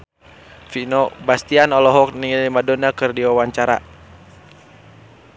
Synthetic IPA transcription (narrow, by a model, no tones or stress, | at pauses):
finɔbast̪ianɔlɔɦɔk̚niŋilimadɔnakɨrdiwawaɲt͡ʃaɾa̰